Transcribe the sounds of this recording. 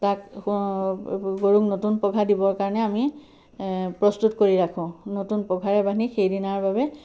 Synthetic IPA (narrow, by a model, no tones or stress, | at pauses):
tak | ɡoɹuknotunpɔɡʱadibɔɹkaɹɔnɛami | pɹɔstutkoɹiɹakʰʊ̃notunpɔɡʱaɹɛbanixejdinaɹbabɛ